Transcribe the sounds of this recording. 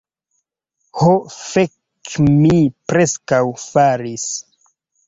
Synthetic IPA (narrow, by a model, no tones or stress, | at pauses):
hofe | kmipɾeskawfaɾis